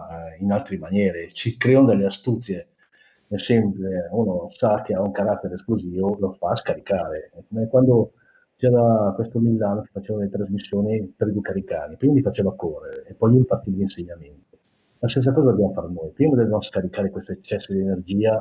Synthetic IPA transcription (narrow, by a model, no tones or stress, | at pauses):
inalt̪ɾemanjɛːɾet͡ʃikɾeonod̪elːeast̪ut̪sje | ɛsɛmpeunosakeauŋkaɾat̪ːeɾeːskluziːvolofaːskaɾikaːɾeɛkːomɛkwand̪o | t͡ʃɛɾakwest̪omilːaːnot͡ʃi̥fat͡ʃeːvaod̪elet̪ɾazmisːjoːnipeɾid̪ukːaɾikanipɾiːmamifat͡ʃeːvakorːeɾeːpːɔjluipart̪ilinseɲːament̪i | last̪es̬ːakɔːzad̪objamofaɾnojpɾiːmad̪ɛvevanoskaɾikaːɾekwest̪oet͡ʃːɛsːod̪ienerd͡ʒiːa